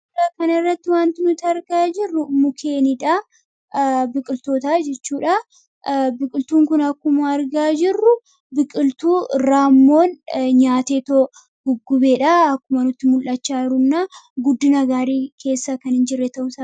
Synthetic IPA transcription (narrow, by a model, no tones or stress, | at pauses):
akɐnɐɪrːɐt̪ːɪwaːnt̪ɪnʊt̪ːɐɾɡaːd͡ʒɪrːʊmʊkʰe̞ːnɪᶑa | bɪkʼɪlt̪o̞ːt̪aːd͡ʒɛt͡ʃːuːᶑɐ | bɪkʼɪlt̪uːŋkʊnɐkːʊmɐːɾɡaːd͡ʒɪrːʊ | bɪkʼɪlt̪uːɪrːaːmːo̞ːnɲaːt̪e̞ːt̪o | ɡ̥ʊɡːʊbe̞ːᶑɐɐkːʊmɐnʊt̪ːɪmʊlʔɐt͡ʃːaːɪɾʊnːaːɡʊd̪ːɪnɐɡaːɾiːkʰe̞ːsːakɐnɪnd͡ʒɪrːɛt̪ɐʔʊsa